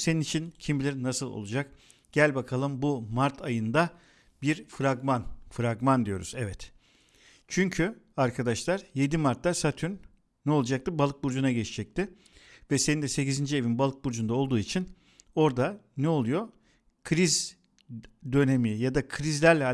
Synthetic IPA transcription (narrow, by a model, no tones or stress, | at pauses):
seninit͡ʃʰincʰimbilʲɛɾinasɯlˠo̰lˠud͡ʒak | ɟ̥ælʲbakʰalˠɯmbumaɾt̪ʰajɯnd̪a | biɾfɾaɡmanfɾaɡmand̪ijo̞ɾṵz̥ɛvɛt̪ | t͡ʃʰyɲcʰy | aɾkʰad̪aʃlˠaɾje̞d̪imaɾt̪ːasat̪ʰyɾ | nɛolˠud͡ʒak̚t̪ɯbalˠɯk̚buɾd͡ʒunaɟet͡ʃʰid͡ʒɛc̚t̪ʰɪ | vɛse̞nind̪ɛse̞cizind͡ʒie̞vinbalˠɯk̚buɾd͡ʒund̪aolˠd̪uːit͡ʃʰin | o̞ɾd̪anɛo̞lˠujo̞ | kʰɾiz | d̪ø̞ne̞mijad̪akʰɾizlʲæɾlʲɛ